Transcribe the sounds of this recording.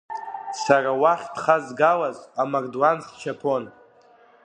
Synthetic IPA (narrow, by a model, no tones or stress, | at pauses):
sarawaχʲdχazɡalazamarduanst͡ʃʰapʰon